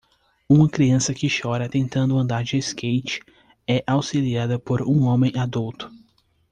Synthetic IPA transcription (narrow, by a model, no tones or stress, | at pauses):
ũmɐkɾiɐ̃sɐkɪʃɔɾɐt̪ẽnt̪ɐ̃nd̪ʊɐ̃nd̪aɾd͡ʒɪeskejt͡ʃɪ̥ | ɛʔawsiliad̪ɐpoɾũõmẽj̃ad̪uwt̪ʊ̥